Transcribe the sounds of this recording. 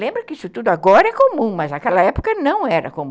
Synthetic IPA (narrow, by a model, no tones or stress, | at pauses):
lẽmbɾʊkɪisʊt̪ud̪ʊaɡɔɾɐɛkomũmɐznɐkɛlɐɛpo̥kɐnɐ̃w̃ɛɾɐ̰komũ